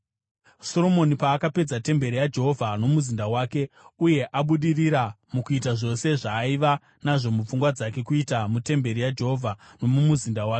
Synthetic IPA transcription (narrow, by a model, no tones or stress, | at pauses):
so̞ɾo̞mo̞nipaːkape̞d͡zate̞mbe̞ɾijad͡ʒe̞ɦo̞vʱano̞muzindawaːke̞uje̞ʔaɓuɗiriɾa | mukuitaʐo̞se̞ʐaːiʋa | naʐo̞mup͡fuŋɡwad͡zake̞kuitamute̞mbe̞ɾijad͡ʒe̞ɦo̞vʱano̞mumuzindawaːke